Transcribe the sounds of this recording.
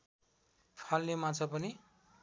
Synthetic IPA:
pʰalnemat͡sʌpʌni

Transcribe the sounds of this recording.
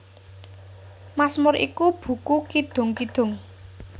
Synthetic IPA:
masmʊɾʔḭkub̥ṳkukid̪̥ʊ̤ŋkid̪̥ʊ̤ŋ

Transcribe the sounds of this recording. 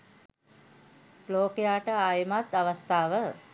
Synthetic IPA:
bloːkejaːʈəaːjimat̪aʋəst̪ʰaːʋə

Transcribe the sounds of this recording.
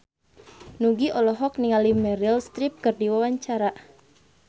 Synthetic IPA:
nuɡiʔɔlɔɦɔk̚niŋalimɛɾilst̪ɾip̚kɨrdiwawaɲt͡ʃaɾa

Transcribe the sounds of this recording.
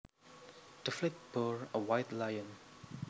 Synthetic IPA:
təflɪt̚b̥əɹəwajtlajə̃n

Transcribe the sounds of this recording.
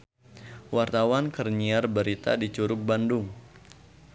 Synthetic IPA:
wart̪awankərɲiarbəɾit̪a̰dit͡ʃuɾʊk̚bandʊŋ

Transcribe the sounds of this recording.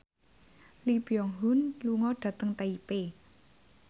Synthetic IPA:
libiɔŋɦʊnluŋɔɖ̥ä̤t̪əŋt̪aipe

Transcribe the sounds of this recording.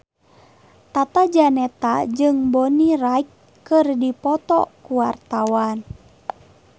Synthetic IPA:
t̪at̪ad͡ʒanɛt̪ad͡ʒɨŋbɔniraik | kɨrdipɔt̪ɔkuwart̪awan

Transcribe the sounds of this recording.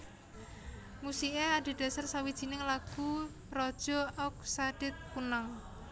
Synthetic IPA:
musiʔeaɖ̥i̤ɖ̥a̤sarsawid̥ʒ̥i̤nɪŋlaɡ̥u | rɔd̥ʒ̥ɔ̤ɔk̚saɖ̥ɪ̤t̪̚kunaŋ

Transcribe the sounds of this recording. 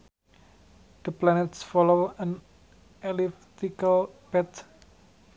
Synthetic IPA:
d̪̥əplanɛt̪sfɔlowə̃n | ɛlip̚t̪ikalpɛt̪

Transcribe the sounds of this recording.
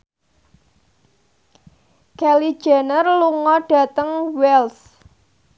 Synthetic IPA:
kali̥ʒ̥anərluŋɔɖ̥ä̤t̪əŋwɛls

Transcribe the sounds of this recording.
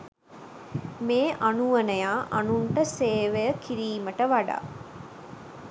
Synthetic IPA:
meːʔɐnuʋənɐjaːʔɐnuɳʈəseːʋejəkiɾiːməʈəʋaɖa̰ː

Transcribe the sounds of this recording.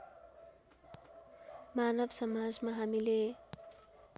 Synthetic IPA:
manʌbsʌmad͡zmaɦamile

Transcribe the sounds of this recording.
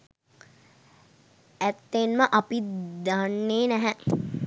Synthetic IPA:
æt̪ːenməʔapid̪anːeːnæɦɛ

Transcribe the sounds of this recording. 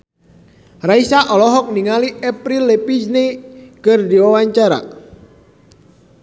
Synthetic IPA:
raisaʔɔlɔɦɔk̚niŋaliapɾilːɛpid͡ʒnikɨrdiwawaɲt͡ʃaɾa̰

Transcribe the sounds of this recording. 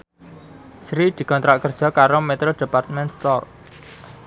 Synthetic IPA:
sɾid̪̥i̤kɔnt̪ɾat̪̚kərd̥ʒ̥ɔ̤kaɾomet̪ɾod̥e̤part̪mɛnst̪ɔr

